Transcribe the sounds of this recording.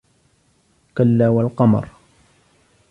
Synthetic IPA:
kalːaːwalqɑmɑ̰ɾˤ

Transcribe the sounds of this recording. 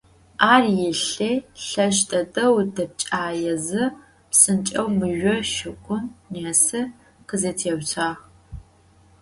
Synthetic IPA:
aːrjɪɬeːɬɐʃtʼɐtʼɐwdɐp̚t͡ʃʼaːjɛzɨ | psɨnt͡ʃʼɐwmɨʒᶣʷɔʃɪkʷʼʊmneːsɨ | qəzɐtʰeːwt͡sʰaːʁ

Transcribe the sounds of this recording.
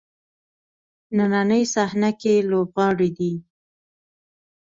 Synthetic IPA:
nananəjsahnakelobɣɑɽid̪i

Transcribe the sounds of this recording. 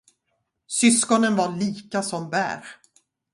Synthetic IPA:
sʏskɔnənvaɭiːkasɔmbæ̰ːɾ

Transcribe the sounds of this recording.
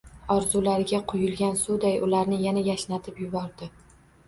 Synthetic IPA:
ɒɾzʊlaɾɪɡʲaqʰojɪlˠɡʲansʊd̪ajʊlaɾnɪjanajaʃnat̪ʰɪpjʊbɒɾd̪ɪ

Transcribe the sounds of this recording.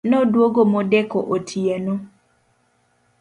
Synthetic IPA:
nɔdwoɡomodɛkɔʔotʰienu

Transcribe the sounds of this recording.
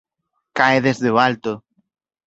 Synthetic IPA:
kaeðezðeoalt̪ʊ

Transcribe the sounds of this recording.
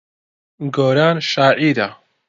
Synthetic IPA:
ɡoːɾaːnʃaːʕiːd̪a

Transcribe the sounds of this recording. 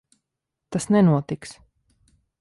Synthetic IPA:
t̪asnɛnuɔt̪iks

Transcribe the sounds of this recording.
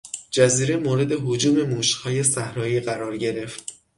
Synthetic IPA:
d͡ʒæziːɾe̞moːɾe̞d̪e̞ɦod͡ʒuːme̞muːʃhɒːje̞sæhɾɒːjiːɢæɾɒːɾɟe̞ɾe̞ft̪

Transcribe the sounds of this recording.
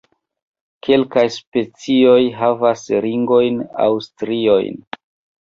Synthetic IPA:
kʰe̞lkajspe̞t͡sio̞jɦavasɾiŋɡo̞jna̰wstɾio̞̰jn

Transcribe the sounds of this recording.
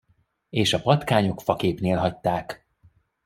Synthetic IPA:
eːʃɒpɒt̪kaːɲo̞kfɒkeːpneːlɦɒc̚t̪aːk

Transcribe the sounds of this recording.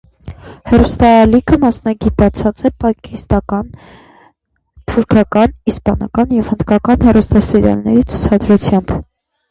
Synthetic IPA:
hɛrust̪ɑːlikʰəmɑsnɑɡit̪ɑt͡sʰɑt͡sɛpɑkist̪ɑkɑn | t̪ʰuɾkʰɑkɑnispɑnɑkɑnjɛvhənd̪kɑkɑnhɛrust̪ɑsɛɾjɑ̰lnɛ̰ɾit͡sʰu̥t͡sʰɑd̪ɾut͡sʰjɑmb̥

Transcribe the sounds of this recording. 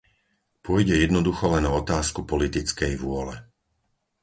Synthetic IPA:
pʊɔjɟɛjɛd̪nɔd̪uxɔlɛnɔɔt̪aːskupɔlit̪it͡skɛjʋʊɔlɛ

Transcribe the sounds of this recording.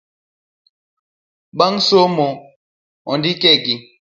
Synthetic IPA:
ɓaŋsomɔ | ɔndikɛɡi

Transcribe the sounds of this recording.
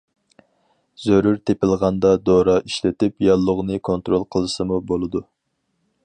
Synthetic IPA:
z̥øɾyɾt̪ʰepɪlˠʁɑnd̪ɑd̪oɾɑʔiʃlɪt̪ɪpjɑlˠːʊʁnɨkʰont̪ɾolˠqʰəlˠɨsɨmubolˠɨd̪u

